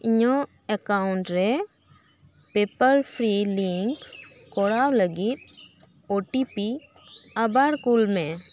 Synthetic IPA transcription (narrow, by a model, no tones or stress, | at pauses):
iɲɔ | əkaʊɳʈɾɛ | pepəɾpʰɾiliŋkː | ɔɽawləɡit̪̚ | oʈipi | abaɾkulmɛ̃